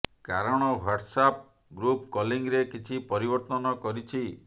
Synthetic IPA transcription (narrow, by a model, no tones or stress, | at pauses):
kaɾɔɽ̃ɔwaʈsap̚ | ɡɾupkɔliŋɡɾekit͡ʃʰipɔɾibɔɾt̪ɔnɔkɔɾit͡ʃʰi